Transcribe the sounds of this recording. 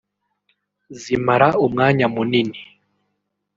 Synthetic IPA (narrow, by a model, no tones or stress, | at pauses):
zimaɾaumŋaːɲamunini